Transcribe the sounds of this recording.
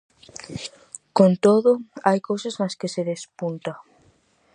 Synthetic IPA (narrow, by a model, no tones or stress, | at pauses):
kont̪oðʊajkowsɐznɐskɪseðespunt̪ɐ